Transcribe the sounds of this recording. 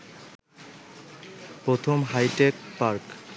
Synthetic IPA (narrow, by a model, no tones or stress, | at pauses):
pɾot̪ʰomɦajʈekpaɾk